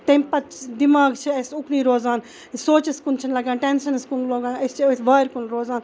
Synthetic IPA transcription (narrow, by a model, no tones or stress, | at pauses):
t̪emʲpɐt͡ʃd̪imaːɡt͡ʃʰiɐsuknĩːɾoːzaːn | soːt͡ʃɐskunt͡ʃʰɐnlɐɡãːnʈensɐnskunloːɡãːnɐst͡ʃʰisʋaːɾkunɾoːzaːn